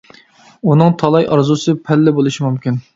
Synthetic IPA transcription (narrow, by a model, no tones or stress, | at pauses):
unɨŋt̪ʰɑlˠɑjʔɑ̰ɾzusɨpʰɛlːɪbolˠɨʃimumkʲin